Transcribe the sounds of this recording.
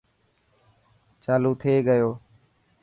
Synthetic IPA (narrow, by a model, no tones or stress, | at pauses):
t͡ʃaːluːt̪ʰeːɠəjoː